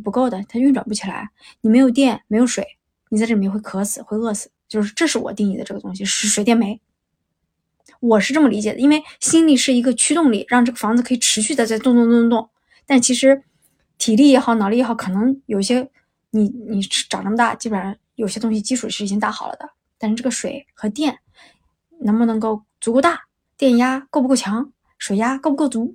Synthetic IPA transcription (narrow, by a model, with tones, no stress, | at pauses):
pu˧˥ko˥˩ʊd̪ə˩t̪ʰa˥y˥˩nʈ͡ʂwa̰˨˩np̬u˥˩t͡ɕʰi˨˩la̰˧˥ɪ | ni˨˩me˧˥ɪjo˨˩jɛ˥˩nme˧˥ɪjo˧˩ʊʂwe˨˩ɪ | ni˨˩t͡sʈ͡ʂɤ˥˩˧wɪkʰɤ˥sɹ̩˨˩xwe˥˧ɪɤ˥˩sɹ̩˨˩˦t͡ɕjo˥˧ʊʂɻ̩˥˧ʈ͡ʂɤ˥˧ʂɻ̩˥˩wɔ̰˨˩t̪i˥˧ŋi˥˩d̪ə˦ʈ͡ʂɤ˥˩ɡə˩t̪ʊ˥ŋɕi˨ʂɻ̩˧˥ʂwe˧˥t̪jɛ˥˩nme˧˥ɪ | wɔ˨˩ʂɻ̩˥˧ʈ͡ʂɤ˥˩mə˩li˧˥t͡ɕjɛ˨˩d̪ə˦i˥nwe˥˧ɪɕi˥nli˨˩ʂɻ̩˥˩i˧˥ɡə˧t͡ɕʰy˥t̪ʊ˥˧ŋlḭ˨˩ɻɑ˥˧ŋʈ͡ʂɤ˥˩ɡə˩fɑ˧˥ŋd͡zɹ̩˧kʰɤ˧˥i˨˩ʈ͡ʂʰɻ̩˧˥ɕy˥˧t͡st͡sɪt̪ʊ˥˧ŋt̪ʊ˥˧t̪ʊ˥˧ŋt̪ʊ˥˩ŋ | t̪a˥˧nʂɻ̩˥˩t͡ɕʰi˧˥ʂɻ̩˧˥ | t̪ʰi˨˩li˥˩jɛ˧˥˩xɑ˥˩ʊnɑ˨˩li˥˧˥xɑ˥˩ʊkʰɤ˨˩nɤ˧˥ŋjo˨˩ʊi˧˩ɕjɛ˥ | ni˨˧˩ni˨˩˥ʈ͡ʂɑ˨˩ŋʈ͡ʂɤ˥˩mə˧t̪a̰˥˩t͡ɕi˥bə˨˩ɻa˧˥njo˨˩ʊi˥ɕjɛ˥t̪ʊ˥ŋɕ̬i˧˩t͡ɕi˥ʈ͡ʂʰu˨˩i˧˥ɻ̩˥˧˨t͡ɕi˥ŋt̪a˥˩xɑ˨˩lʔə̰˦d̪ə̰˦ | t̪a˥˧nʂɻ̩˥˧ʈ͡ʂɤ˥˩ɡə˩ʂwe˨˩ɪxɤ˧˥t̪jɛ˥˩n | nə˧˥ŋmə˧nɤ˧˥ŋko˥˩ʊt͡su˧˥ko˥˧t̪a˥˩ | t̪jɛ˥˩nja˥ko˥˩ʊpu˧ko˥˩t͡ɕʰjɑ˧˥ŋ | ʂwe˨˩ɪja˥ko˥ʊpu˧˥ko˥˩ʊt͡su˧˥